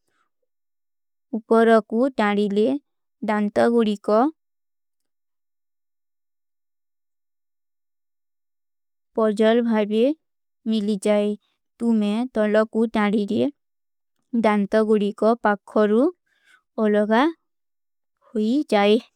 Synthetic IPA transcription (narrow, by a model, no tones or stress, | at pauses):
upɔɾɔkuʈaɽile | dant̪ɔɡuɽikɔ | pɔd͡ʒɔlbʱabe | milid͡ʒae | t̪umeɛt̪ɔlɔkuʈãɽiɾe | dant̪ɔɡuɽikɔpakʰːɔɾu | ɔlɔɡa | hojid͡ʒae